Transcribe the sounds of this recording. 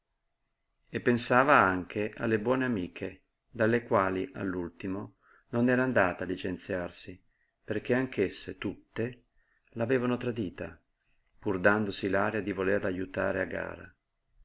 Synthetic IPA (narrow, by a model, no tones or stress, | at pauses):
epːensaːvaaŋk̟ʰeʔa̰lːebwɔːneamiːkʰe | d̪alːekwaːliʔa̰lːult̪imo | nonɛːɾaːnd̪aːt̪alːit͡ʃent̪sjarsi | perk̟eaŋkʰesːet̪ut̪ːe | laveːvanot̪ɾad̪iːt̪a̰ | purd̪and̪osilaːɾjad̪ivolerlajut̪a̰ːɾea̰ɡːa̰ːɾa̰